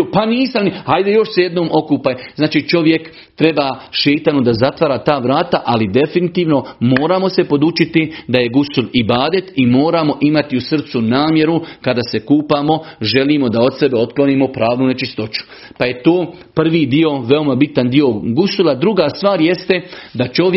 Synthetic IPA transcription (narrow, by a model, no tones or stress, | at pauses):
paniːsamnihajd̪ejo̞ʃseje̞d̪noːmʔo̞kuːpajznaːt͡ʃiːt͡ʃo̞ʋje̞k | t̪ɾe̞baʃe̞ːt̪anod̪azat̪ʋaɾaːt̪aːʋɾaːt̪aʔalid̪e̞finit̪iːʋno̞mo̞ːɾamo̞se̞po̞d̪ut͡ʃit̪id̪aje̞ɡusulibaːd̪e̞t̪imo̞ːɾamo̞ʔimat̪iusr̩t̪sunaːmje̞ɾukad̪ase̞kuːpaːmo̞ʒe̞liːmo̞d̪ao̞t̪se̞beo̞t̪klo̞niːmo̞pɾaːʋnunet͡ʃist̪o̞t͡ʃu̥paje̞t̪o̞ːpr̩ʋiːd̪io̞ʋe̞o̞mabit̪and̪io̞ɡusulad̪ɾuɡaːst̪ʋaːɾje̞st̪ed̪at͡ʃo̞j